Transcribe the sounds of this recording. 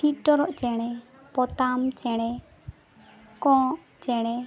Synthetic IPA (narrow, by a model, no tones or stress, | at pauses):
ʈʰit̪̚ˀʈɔɾɔʔt͡ʃɛɽ̃ɛ | pɔt̪amt͡ʃɛɽ̃ɛ | kɔ̃ʔ | t͡ʃɛɽ̃ɛ